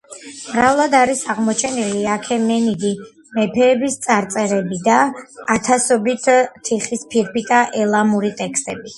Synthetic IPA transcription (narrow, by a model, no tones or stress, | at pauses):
mɾavlˠad̪aɾisaʁmɔt͡ʃʰɛniliakʰɛmɛnid̪i | mɛpʰɛːbist̪sʼaɾt̪sʼɛɾɛbid̪aːt̪ʰasɔbit̪ʰt̪ʰiχispʰiɾpʰit̪ʼaʔɛlˠamuɾit̪ʼɛkst̪ʼɛbi